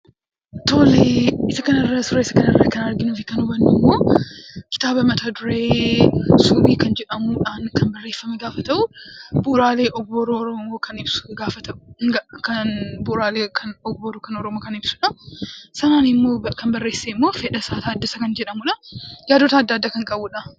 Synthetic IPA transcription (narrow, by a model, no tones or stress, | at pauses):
t̪oːleːɪsɐkɐnɐrːɐsʊɾɐɪsɐ̥kɐnɐrːɐkɐnɐɾɡɪnuːfɪkɐnʊbɐnːɪmːo̞ːkɪ̥t̪aːbɐmɐt̪aːd̪ʊɾe̞ː | subiːkɐnd͡ʒɛᶑɐmuːᶑaːŋkɐnbɐrːeːfːɐmɛɡaːfɐt̪ɐʔʊbʊɾaːleːʔɔbːɔɾoːɾɔmoːkʰɐnɪbsʊ̥ɡaːfɐt̪ɐʔʊɡkɐnbʊɾaːleːkʰɐnɔbːɔɾokɐnɔɾɔmoːkɐnɪbsʊᶑɐsɐnaːnɪmːo̞ːkɐnbɐrːe̞ːsːeɪmːo̞ːfɛᶑɐsaːt̪aːd̪ːɐsɐkɐnd͡ʒɛᶑɐmʊᶑɐjaːd̪ot̪ɐːd̪ːaːd̪ːaːkɐŋkʼɐbʊᶑɐ